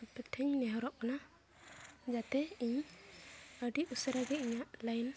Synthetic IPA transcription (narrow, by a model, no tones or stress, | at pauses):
pɛt̪ʰəɲnɛɦɔɾɔʔ̚kana | d͡ʒat̪ɛiɲ | əɖiusəɾaɡɛiɲaʔləjn